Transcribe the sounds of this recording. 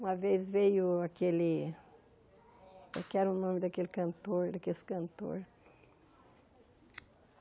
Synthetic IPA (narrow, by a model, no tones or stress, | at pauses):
ũmɐvezvejʊakelɪ | ḛkɛɾʊ̃nõmɪd̪ɐkelɪkɐ̃nt̪oɾd̪ɐkesɪ̥kɐ̃nt̪o̰ɾ